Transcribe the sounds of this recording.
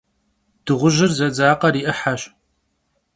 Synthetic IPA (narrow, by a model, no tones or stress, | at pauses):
d̥ɨʁʷʊʒɪrzɐd͡zaːqɐɾiːʔɨħaɕ